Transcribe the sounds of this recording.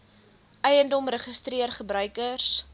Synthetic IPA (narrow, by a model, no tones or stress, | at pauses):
ʔɛjəndɔmrəχəstriərχəbɾœɥkərs